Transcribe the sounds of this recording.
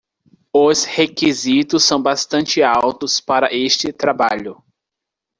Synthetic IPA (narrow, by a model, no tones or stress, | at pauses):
ʊshekizit̪ʊsːɐ̃w̃bast̪ɐ̃nt͡ʃɪawt̪ʊspaɾɐʔest͡ʃɪt̪ɾabaʎʊ